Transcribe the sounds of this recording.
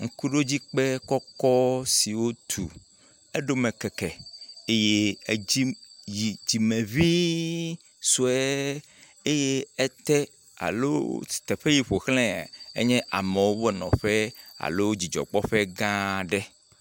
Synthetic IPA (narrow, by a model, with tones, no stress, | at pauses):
ŋ̩˦ku˦ɖo˦d͡ʑi˦k͡pɛ˦kɔ˦kɔ˦si˨wo˦t̪ʰṵ˨ | e˦ɖo˦mẽ˨kɛ˨kɛ˨e˦je˦i˦ji˨d͡ʑi˨mẽ˨vi˦ | su˨ɛ˦ | e˦je˦ɛ˦t̪ɛ˦ | a̰˨lo̰˦si̥˨t̪ɛ˨ɸe˦ji˨ɸo˨xlɛ̰̃˦˨ḛ˦ɲɛ̃˦ʔa˨me˨wo˦wo˦ɛ˦nɔ̰̃˨ɸɛ˦a̰˨lo˦wo˦d͡ʑi˨d͡ʒɔ̰˨k͡pɔ˦ɸɛ˦ɡã˦ɖɛ˦